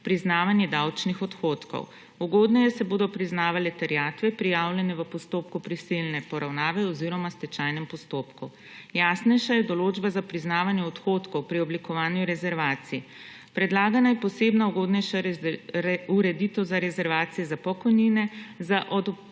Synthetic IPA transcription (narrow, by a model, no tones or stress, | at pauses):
pɾiznaːʋanjɛd̪awt͡ʃnixɔt̪xoːt̪kɔ̰w | uɡoːd̪nɛjɛsɛboːd̪ɔpɾiznaːʋalɛt̪ɛɾjaːt̪ʋɛpɾijawlʲjɛnɛʋəpɔst̪oːpkupɾisilnɛpɔɾawnaːʋɛɔziːɾɔmast̪ɛt͡ʃajnɛmpɔst̪oːpku | jaːsnɛjʃajɛd̪ɔloːd͡ʒbazapɾiznaːʋanjɛɔt̪xoːt̪kɔwpɾiɔblikɔʋaːnjuɾɛzɛɾʋaːt̪sii | pɾɛd̪laːɡanajɛpɔseːbnauɡoːd̪nɛjʃa | uɾɛd̪it̪ɔwzaɾɛzɛɾʋaːt̪sijɛzapɔkɔjninɛzaʔɔd̪